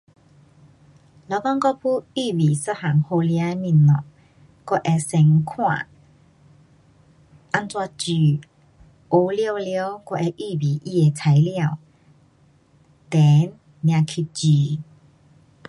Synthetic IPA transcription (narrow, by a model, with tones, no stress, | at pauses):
lɔ˨˧˦kɔ˦˧ŋkɔ˥˦˧pʰu˦i˥˧˨bi˨˩sə˦˧˨ha˨˩ŋho˧li˧a˦e˧mĩ˧˨nnɔ˨ | kɔ˧ʔɛ˧sɛ˨˧ŋkʰwã̰˥˧˨ | ʔa˧nt͡swa˧t͡ɕy˨˩ | o˨˧˦lja˥˧wljo˦kɔ˧ʔɛ˧ʔi˧˨bi˨ʔi˦˧e˨˧t͡sʰa˨˦jljã˥˧˨w | t̪ɛ˨˦nː | j̃ã˧kʰi˧t͡ɕi˨˧˦